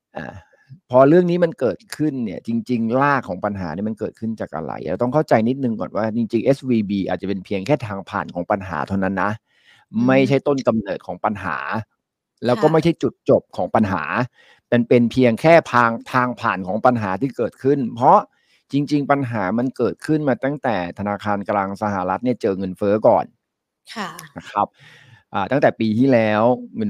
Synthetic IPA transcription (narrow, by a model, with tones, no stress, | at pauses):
ʔa̰ː˨˩ | pʰɔ˧ɾɯ˥˩əŋniː˦˥ma˧nkɤː˨˩t̪̚kʰɯ˥˩nːi˥˩ɐt͡ɕi˧ŋt͡ɕi˧ŋlaː˥˩kʰɔː˩˦ŋpa˧nɦaː˩˦niː˦˥˩ma˧nkɤː˨˩t̪̚kʰɯ˥˩nt͡ɕaː˨˩k̚ʔa̰˧ɾa̰˧˩jʔɛ̰˧˥t̪ɔ˥˩kʰa˥˩wt͡ɕa˧jni˦˥t̪̚nɯ˨˧ŋkɔ̰ː˨˩nwaː˥˩t͡ɕi˧ŋt͡ɕi˧ŋʔe˦˥swiː˧biː˧ʔaː˨˩t̪̚t͡ɕa˨˩pe˧npʰi˧əŋkʰɛː˥˩t̪ʰaː˧ŋpʰa̰ː˨˩nkʰɔː˩˦ŋpa˧nɦa̰ː˩˦t̪ʰa˥˩˨na˦˥nːa˦˥ʔ | ma˥˩jt͡ɕʰa˦˥jt̪o˥˩nka˧mnɤː˨˩t̪̚kʰɔː˩˦ŋpa˧nɦa̰ː˩˦ | lɛː˦˥wkɔː˥˩ma˥˩jt͡ɕʰa˥˩jt͡ɕu˨˩t̪̚t͡ɕo˨˩p̚kʰɔː˩˦ŋpa˧nɦa̰ː˩˦ | tɛ˧npe˧npʰi˧əŋkʰɛː˥˩pʰaː˧ŋt̪ʰaː˧ŋpʰaː˨˩nkʰɔː˩˦ŋpa˧nɦaː˩˦t̪ʰiː˥˩kɤː˨˩t̪̚kʰɯ˥˩npʰɾɔ˦˥ | t͡ɕi˧ŋt͡ɕi˧ŋpa˧nɦaː˩˦ma˧nkɤː˨˩t̪̚kʰɯ˥˩nmaː˧t̪a˥˩ŋt̪ɛː˨˩t̪ʰa˧naː˧kʰaː˧nklaː˧ŋsa˧ha˨˩ɾa˦˥t̪̚ni˥˩ɐt͡ɕɤː˧ŋɤ˧nfɤː˦˥kɔ̰ː˨˩nʰ | na˦˥kʰɾa˦˥p̚ | ʔaː˨˩t̪a˥˩t̪ɛː˨˩piː˧t̪ʰiː˥˩lɛː˦˥wŋ˧